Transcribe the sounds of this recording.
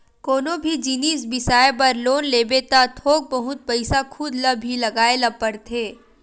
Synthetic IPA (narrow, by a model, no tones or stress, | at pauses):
koːnobʱid͡ʒiːniːsbɪsaːepɐɾloːnleːbet̪at̪ʰoːk̚bɐɦʊt̪̚pɐɪsakʰʊd̪lɐbʱːilɐɡaːelɐpːəɾt̪ʰeː